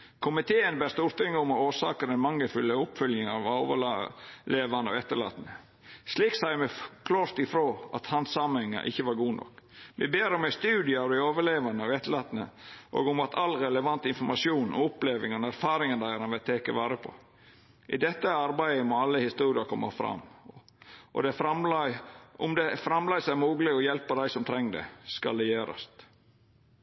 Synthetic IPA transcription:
kʰʊmɪt̪ʰeːənbeːɾst̪uːɾt̪ɪŋːəʊmɔoːsɑ̰ːkəd̪ɛnmɑŋːəfʉlːəʊpfœljɪŋɑʋoːʋəleːʋɑnəɔ̰ɡɛt̪ːəlɭɑ̰ːt̪ənə | sliːksæɪmɛkʰloːɾt̪ɪfɾoːʔɑ̰t̪hɑnsɑmənhɛŋːə̰ʔɪ̰çːəʋɑɾɡuːnɔ̰kːʋɛ̰beːɾɔmæɪst̪ʉːd̪ɪəɑʋd̪ɛɪoːʋəɭeːʋɑnəɔɡɛt̪ːəlɑːt̪ənə̰ʔo̰ːɡʊmɑt̪ʰɑlːɾɛləʋɑnt̪ɪnfɔɾmɑsjuːnɔ̰ʊpleːʋɪŋɔnæɾfɑːɾɪŋənd̪æɪəɾɑnʋɛt̪ʰeːkəʋɑːɾəpʰɔ̰ | ʔɪ̰d̪ɛt̪ːəɑɾbæɪəmɔːɑlːəhɪst̪uːɾɪɑɾkʰɔmːɑ̰fɾɑ̰m | ʔɔ̰d̪ɛfɾɑm | ɔmd̪ɛfɾɑmlɑɪsæɪmuːɡlɪɡɔjɛlpɑd̪æɪsɔmt̪ʰɾɛŋːd̪ɛ̰skɑ̰ld̪ɛjøːɾɑ̰st̪

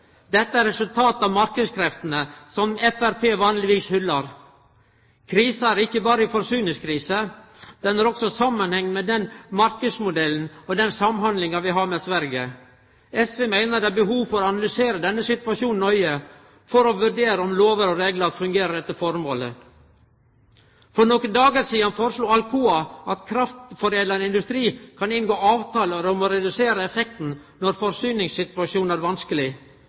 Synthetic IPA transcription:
d̪ɛt̪ːəæɾɾɛsʉlt̪ʰɑːt̪ɑʋmɑɾkəd̪skʰɾɛft̪ənəsɔmɛfæɾpeːʋɑːnlɪʋiːshʏlːɑɾ | kʰɾiːsəæɾɪçːəbɑːɾəɪfɔɾʂyːnɪskʰɾiːsə | d̪̥ɛnæɾɔksɔsɑmːɑnhɛŋːmɛd̪ɛnmɑɾkəd̪smʊd̪ɛln̩ɔd̪ɛnsɑmhɑnd̪lɪŋɑʋɪɦɑɾmɛsʋæɾɡə | ɛsʋeːmæɪnəɾɖ̪d̪ɛæɾbəɦuːʋfɔɾɔɑnɑlʏseːɾəd̪ɛnːəsɪt̪ʋɑʂuːnœʏə | fɔɾɔʋʉɖeːɾəɔmloːʋəɾɔɾeːɡləɑt̪fʉŋɡeːɾəd̪ɛt̪ːəfɔɾmo̰ːlə̰ | fɾɔnɔkənd̪ɑːɡəɾsiːɑnfoːɾəʂluːɑlkʰuːɑʔɑt̪kʰɾɑft̪fɔɾeːd̪lɑnɪnd̪ʉst̪ɾiːkʰɑnɪnɡoːɑːʋt̪ʰɑːləɾɔmɔɾɛd̪ʉseːɾəɛfɛk̚t̪n̩ | nɔɾfɔɾsyːnɪŋssɪt̪ʉɑʃuːnæɾʋɑnskəlɪ

